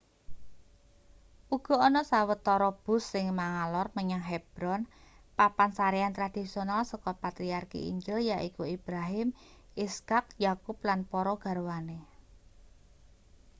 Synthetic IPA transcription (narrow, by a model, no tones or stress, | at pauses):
ʔuɡ̥ɔ̤ɔnɔsawət̪ːɔɾɔb̥ʊ̤sːɪŋmaŋalɔrməɲaŋɦɛb̥ɾɔn | papansaɾeant̪ɾad̥i̤sionalsɔkɔpat̪ɾiarkḭḭɲd͡ʒɪljaʔikuib̥ɾaɦɪm | iskak̚jakup̚lanpɔɾɔɡ̥a̤ɾwane